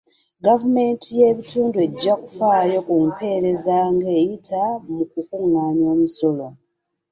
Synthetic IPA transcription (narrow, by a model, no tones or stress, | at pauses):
ɡavume̞ntʰije̞βituːndue̞ɟːaku̥faːjo̞kumpʰe̞ːɾe̞zaŋɡe̞ːjitamuk̚ukuŋːaːɲjo̞ːmuso̞lo̞